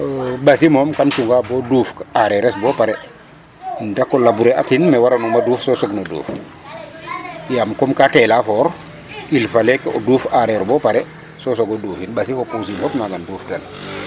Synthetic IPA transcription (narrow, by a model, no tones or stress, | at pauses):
basimɔmkant͡ʃuŋɡabɔduːfkaɾɛɾɛsbɔpaɾɛ | indakːɔlabuɾɛatinmɛwaɾanuŋmaduːfsɔsɔɡnodṵːf | jamkɔmkatɛlafɔɾ | ilfalɛkɔduːfaɾɛɾbɔpaɾɛ | sɔsɔɡoduːfinbasifoposinfɔknaɡanduːfdan